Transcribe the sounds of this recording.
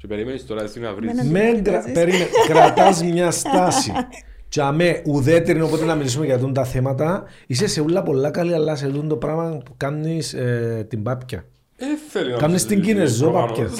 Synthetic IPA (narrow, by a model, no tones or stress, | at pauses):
cepeɾimenist̪oɾɐesinɐ̰ɾimeŋɡɾɐpeɾimenkɾɐt̪ɐzmɲɐst̪ɐsḭ | t͡ʃɐmeʔuðet̪eɾinopot̪enɐmilis̬umeceɐt̪unt̪ɐθemɐt̪̬ɐ | is̬eseulːɐpo̞lːɐkɐliɐlːɐs̬et̪und̪o̞pɾɐmɐpukɐmnist̪imbɐpcɐ̰ | kɐmnist̪iɲɡinezːopɐpcɐ